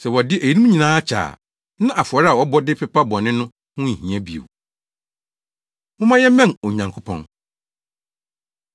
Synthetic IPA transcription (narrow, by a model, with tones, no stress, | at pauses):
sɛ˨wɔ˨dɪ˦ʔæ˨ji˨˦i˦mũ˦ɲĩ˨nãː˨˦a˦t͡ɕʰa̰ː˨ | nã˦ʔa˨fʊ˨ɔ˨ɾa˨wɔ˨˦bɔ˦dɪ˦pʰɛ˨pa˦bɔ˨nɪ̃˦nʊ̃˦ | hʊ̃˦˨hĩ˨æ˦bi˨o̰˨w | mʊ̃˦mã˦jɛ˦mɛ̃˦no˨ɲã˨ŋkʰo˦pʰɔ̰̃˦n